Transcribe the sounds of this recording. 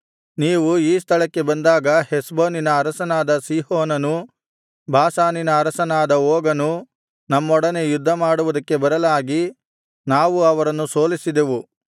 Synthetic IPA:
niːʋuiːst̪ʰɐɭɐkːe̞bɐnd̪aːɡɐhesboːninɐːɾɐsɐnaːd̪ɐsiːɦoːnɐnu | bʱaːsaːninɐːɾɐsɐnaːd̪ɐoːɡɐnu | nɐmːɔɽɐne̞jud̪ʱːɐmaːɽuʋud̪ɐkːe̞bɐɾɐlaːɡi | naːʋuɐʋɐɾɐnːuso̞ːlisid̪e̞ʋu

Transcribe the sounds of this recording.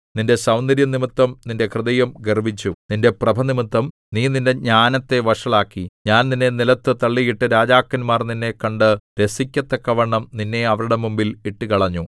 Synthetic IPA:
ninde̞sɐwnd̪ɐɾjɐnimit̪ːɐmninde̞krɨðɐjɐmɡɐrbit͡ɕːuninde̞prɐbʱɐnimit̪ːɐm | niːninde̞ɲaːnɐt̪ːe̞ʋɐʂɐɭaːkːiɲaːnninːe̞nilɐt̪ːɨt̪ɐɭːijiʈːɨɾaːd͡ʑaːkːɐnmaːrninːe̞kːɐɳɖɨɾe̞sikʲːɐt̪ːɐkːɐʋɐɳːɐmninːe̞ɐʋɐɾuɽe̞mumbiliʈːɨkɐɭɐɲːu

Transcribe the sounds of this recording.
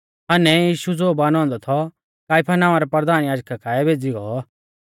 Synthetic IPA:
ɐnɛjiːʃud͡zoːbaːnɔ̃ːnd̪ɔt̪ʰɔ | kaːɪpʰanãːãɾɛpɐɾd̪aːnjaːd͡ʒkʰakʰaːɛbʱeːd͡ziɡɔ

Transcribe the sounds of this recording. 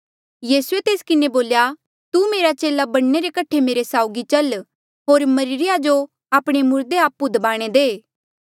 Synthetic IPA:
jiːsuet̪eːskɪneboːlja | t̪umeːɾat͡ʃeːlabɐɽ̃neɾekɐʈʰemeːɾesaːʊɡit͡ʃɐl | ɦoːɾmɐɾɪɾɪjad͡ʒo | aːpɽ̃emʊɾd̪eaːpːud̪əbaːɽ̃ed̪eː

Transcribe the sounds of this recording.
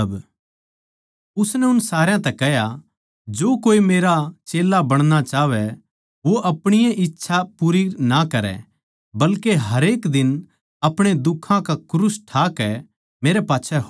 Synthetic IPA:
b | ʊsnɛʊnsaːɾjãt̪ɛkɛɦja | d͡ʒoːkoːimeːɾat͡ʃeːlːabɐɽ̃nat͡ʃaːʋɛ | ʋoʔɐpɽ̃ɪjãʔɪtːʃʰapuːɾinakɐɾɛ̰ | bɐlkeɦɐɾeːkd̪ɪn | ɐpɽ̃ed̪ʊkʰːãkakʊɾʊsʈʰaːkɛ | meːɾɛpaːtːʃʰɛɦ

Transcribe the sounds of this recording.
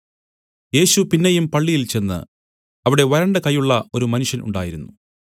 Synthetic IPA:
je̞ːɕupinːejumpɐɭːijilt͡ɕe̞nːɨ̰ | ɐʋiɽe̞ʋɐɾɐɳɖekɐjːuɭːɐo̞ɾumɐnuʂjɐnṵɳɖaːjiɾunːu

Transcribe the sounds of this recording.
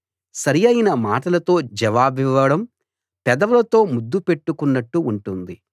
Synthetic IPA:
sɐɾijɐjinɐmaːʈɐlɐt̪o̞ːd͡ʒɛʋaːbiʋːɐɽɐm | pɛd̪ɐʋɐlɐt̪o̞ːmud̪ːupe̞ʈːukunːɐʈːuːɳʈund̪i

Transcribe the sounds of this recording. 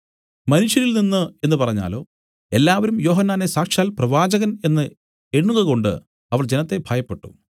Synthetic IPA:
mɐnuʂjɐɾilninːɨe̞nːɨpɐrɐɲːa̰ːlo̞̰ː | e̞lːaːʋɐɾumjo̞ːɦɐnːaːne̞saːkʂaːlprɐʋaːd͡ʑɐɣɐne̞nːɨ | e̞ɳːuɣɐɣo̞ɳɖɨ̰ | ɐʋɐɭd͡ʑe̞nɐt̪ːe̞bʱaːjɐpːe̞ʈːu̥̰

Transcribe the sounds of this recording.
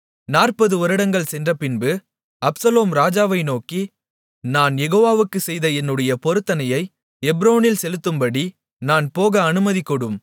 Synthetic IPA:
naːrpɐðɯɔɾɯɽɐŋɡɐɭsɛndrɐpɪnbɯ | ɐpsɐloːmɾaːd͡ʒaːʋɐɪnoːki | naːnjɛɣoːʋaːʋɯkːɯsɛjðɐɛnːɯɽɐjɐpɔɾɯt̪ːɐnɐjɐɪ | ɛbɾoːnɪlsɛlɯt̪ːɯmbɐɽi | naːnpoːɣɐːnɯmɐðikːɔɽɯm

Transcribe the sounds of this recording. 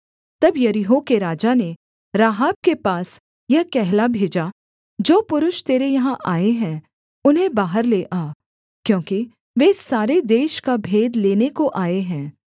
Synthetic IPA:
t̪ɐbjɐɾɪɦõkeɾaːd͡ʒane | ɾaːɦaːb̚kepaːs | jɐkɛɦlabʱeːd͡ʒa | d͡ʒoːpʊɾʊʃt̪eːɾejɐɦãʔaːeɦɛ̃ | ʊnɦẽbaːɦəɾleːʔaː | kjõːki | ʋeɪsːaːɾed̪eːʃkabʱeːd̪leːnekoʔaːeɦɛ̃ː

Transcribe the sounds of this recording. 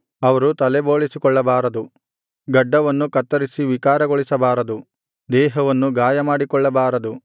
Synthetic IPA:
ɐʋɐɾut̪ɐlɛboːɭisikɔɭːɐbaːɾɐd̪u | ɡɐɖːɐʋɐnːukɐt̪ːɐɾisiʋikaːɾɐɡɔɭisɐbaːɾɐd̪u | d̪ɛːɦɐʋɐnːuɡaːjɐmaːɽikɔɭːɐbaːɾɐd̪u

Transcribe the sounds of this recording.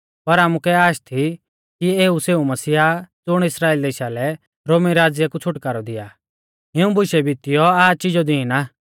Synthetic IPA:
pɐɾaːmukɛaːʃt̪ʰi | kieːuseːumɐsiːad͡zʊɽ̃ɪsɾaːild̪eːʃalɛ | ɾoːmiɾaːd͡zɪjakut͡sʰʊʈkaːɾɔd̪ɪjaː | ɦɪũbʱʊʃɛbʱit̪ɪjɔaːt͡ʃɪd͡ʒɔd̪iːĩnaː

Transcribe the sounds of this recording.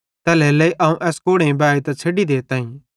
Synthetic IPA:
t̪ɛːlɛːlɐiʔɐũʔɛːskoːɽẽbaːit̪ɐt͡sʰeːɖid̪eːt̪ãːĩ

